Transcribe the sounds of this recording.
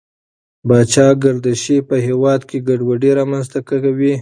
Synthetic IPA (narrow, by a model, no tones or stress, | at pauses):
bɑt͡ʃɑɡaɾd̪aʃepəɦewɑd̪kʰeɡaɖwaɖeɾɑmanzt̪akaawi